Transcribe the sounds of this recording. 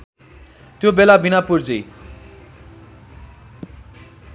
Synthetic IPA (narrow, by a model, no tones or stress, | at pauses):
t̪jobelabʱinapurd͡zi